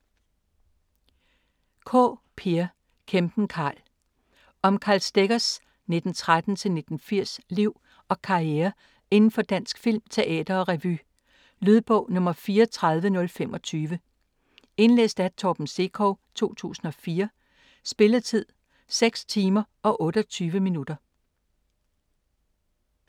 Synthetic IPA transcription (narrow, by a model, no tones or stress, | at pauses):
kʰɔ̰ːpʰeɐ | kʰemb̥n̩kʰɑ̈ːl | ʔɒ̽mkʰɑ̰̈ːlsd̥eɡ̥ɐs | ne̝d̥n̩t͡sʰʁad̥n̩t͡sʰe̝lne̝d̥n̩fiɐ̰sliʊ̰ | ɒ̽kʰɑ̈ieːɐ | e̝nn̩fɒ̽d̥æn̰sɡ̥fil̰mt͡sʰe̝ʔɛ̰ːd̥ɐɒ̽ʁɛʋy̰ | lyð̞ˠb̥ɔ̰̽ʊ̰nɔ̽mɐfiːɐt͡sʰʁað̞ˠʋənɔ̽lfemɒ̽t͡sʰyːʋə | e̝nlḛːsd̥æ̥t͡sʰɒb̥m̩se̝̰kʰɔ̰ːt͡sʰo̝̰ːt͡sʰṵːsn̩ɒ̽fiːɐ | sb̥e̝lɐt͡sʰið̰ˠ | seɡ̥st͡sʰiːmɐʔɒ̽ʔɔ̽ːɾ̥əɒt͡sʰyːʋəminud̥ɐ